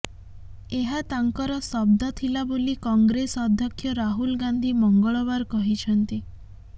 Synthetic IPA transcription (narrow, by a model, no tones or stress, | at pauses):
eɦat̪aŋkɔɾɔsɔb̚d̪ʱɔt̪ʰilabolikɔŋɡɾesɔd̪ʱjɔkʰːjɔɾaɦulɡand̪ʱimɔŋɡɔɭɔβaɾkɔɦit͡ʃʰɔnt̪i